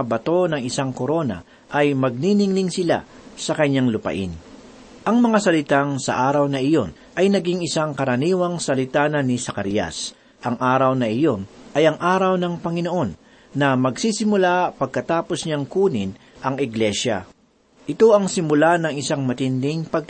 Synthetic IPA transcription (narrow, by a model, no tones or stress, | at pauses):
abɐt̪o̞nɐŋɪsaŋkoɾo̞nɐ̰ | ʔɐjmɐɡ̚ninɪŋnɪŋsɪla̰ | sɐkɐɲːaŋlʊpɐ̰ʔɪ̰n | ʔɐŋmɐŋasɐlɪt̪aŋsɐ̰ʔaːɾɐwnɐʔɪjo̞n | ʔɐjnɐɡiŋɪsaŋkɐɾɐniːwɐŋsɐlɪt̪aːnɐnɪsɐkɐɾja̰s | ʔɐŋʔaːɾɐwnɐʔɪjo̞nʔɐjɐŋʔaːɾɐwnɐŋpɐŋɪno̞ʔo̞nː | ɐmɐɡsisɪmʊlapɐɡ̚kɐt̪aːpo̞sɲaŋkuːnɪn | ʔɐŋɪɡlɛʃa̰ | ʔɪt̪o̞ɐŋsɪmʊlanɐŋɪsaŋmɐt̪ɪnd̪ɪŋpɐɡ̚